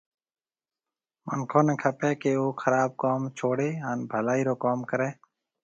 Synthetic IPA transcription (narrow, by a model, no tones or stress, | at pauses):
mə̰ŋkʰõːnẽːkʰəpẽːkeːoːxʰəɾaːb̚koːmt͡ʃʰoːɽeːənbʱəlaːiːɾoːkoːmkəɾẽː